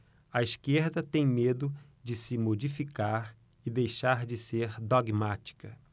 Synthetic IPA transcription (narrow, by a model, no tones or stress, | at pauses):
ɐiskeɾd̪ɐt̪ẽj̃med̪ʊ | d͡ʒɪsɪmod͡ʒifikaɾ | ɪd̪ejʃaɾd͡ʒɪseɾd̪oɡmat͡ʃi̥kɐ